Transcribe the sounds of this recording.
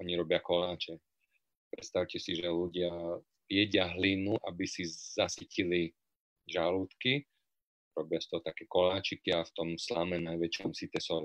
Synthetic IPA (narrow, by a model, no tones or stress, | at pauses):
ɔɲiɾɔbɪakɔlaːt͡ʃɛ | pɾɛt̪st̪aʊcɛsiʒɛluɟɪa | pjɛɟɪaɦlinuʔabisizasicili | ʒaluːt̪ki | ɾɔbɪast̪ɔɦɔt̪akɛːkɔlaːt͡ʃikiaft̪ɔmslamɛnajʋɛt͡ʃɔmsit̪ɛsɔ